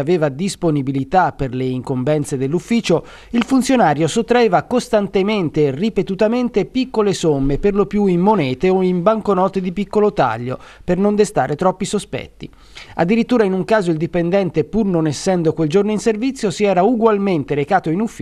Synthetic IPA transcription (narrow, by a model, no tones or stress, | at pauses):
aveːvad̪isponibilit̪apːerleiŋkombɛnt̪sed̪elːufːiːt͡ʃo | ilfunt̪sjonaːɾjosot̪ːɾaeːvakost̪ant̪ement̪eripet̪ut̪ament̪epikːolesomːeperlopjuimːonɛːt̪eoimbaŋkonɔːt̪ed̪ipikːolot̪a̰ʎːo̰pernond̪est̪aːɾet̪ɾɔpːisospɛ̰t̪ːi | a̰d̪ːiɾit̪ːuːɾainuŋkaːzoild̪ipend̪ɛnt̪epurnonɛsːɛnd̪okweld͡ʒornoinservit̪sːjosiɛːɾauɡwalment̪eɾekaːt̪oinufː